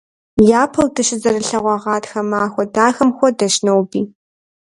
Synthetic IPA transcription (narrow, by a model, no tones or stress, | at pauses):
jaːpʰɐwdɐʃɪzɐrɨɬɐʁʷɑʁɑːtxɐmaːxʷɔdaːxɐmxʷɔdɐʃnɐwbiː